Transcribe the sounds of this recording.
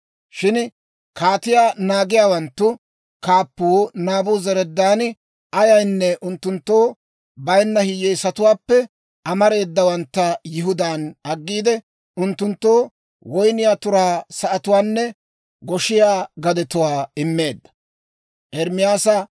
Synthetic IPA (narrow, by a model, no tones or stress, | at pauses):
ʃɪn | kaːt̪ɪjaːnaːɡɪjaːwɐnt̪ːʊ | kaːpːuːnaːbʊːzɛɾɛd̪ːaːn | ʔɐjɐjnːɛʔʊnt̪ːʊnt̪ːoː | bɐjnːɐhɪjːɛjsɐt̪ʊwaːpːɛ | ʔɐmɐɾe̞ːd̪ːɐwɐnt̪ːɐjɪɦʊd̪aːnɐɡːiːd̪ɛ | ʔʊnt̪ːʊnt̪ːoː | wɔjnɪjaːt̪ʊɾaːsɐʔɐt̪ʊwaːnːɛ | ɡɔʃɪjaːɡɐd̪ɛt̪ʊwaːɪmːe̞ːd̪ːɐ̥ | ʔɛɾmɪjaːsɐ